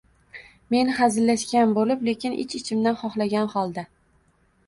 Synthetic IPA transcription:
me̞nχazɪlːaʃkʲanbolɪple̞kʲɪnʔɪ̰t͡ʃɪt͡ʃʰɪmd̪anχɒχlˠaɡʲanχɒlˠd̪a

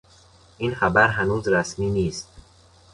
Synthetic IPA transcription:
ʔinxæbæɾɦænuːzɾæsmiːniːst̪̚

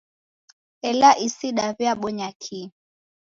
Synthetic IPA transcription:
ɛlaʔisiɗaβjaɓɔɲakʰi

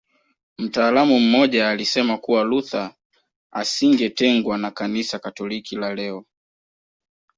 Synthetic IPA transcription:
m̩taːlamum̩mɔʄaːlisɛmakuwaluθa | a̰siŋɡɛtɛŋɡwanakanisakatɔlikilalɛɔ

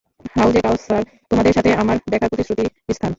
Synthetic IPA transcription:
ɦawd͡ʑekawsːaɾ | t̪omad̪eɾʃat̪ʰeamaɾb̪ɛkʰːapɾot̪isɾot̪iist̪ʰan

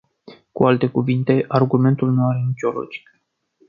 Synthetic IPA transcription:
kualt̪e̞kuvint̪e̞ʔarɡume̞nt̪ulnuaɾe̞nit͡ʃo̞lo̰d͡ʒi̥k

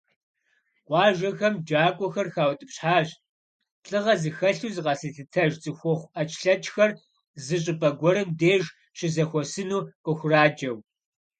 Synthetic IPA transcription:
qʷʼɑːʒɐxɐmd͡ʒaːkʷʼɔxɐrxaːwtʼɨpɕħaːʒ | ɬʼɨʁɐzɨxɐɬuːzɨqɐsɨɬɨtʰɐʒt͡sʼɨxʷɔχʷʔɐt͡ʃʰʼɬɐt͡ʃʼxɐr | zɨɕʼɨpʼɐɡʷɔɾɨmdeːʒ | ɕɪzɐxʷɔsɨnuːqʼəxʷʊraːd͡ʒɐw

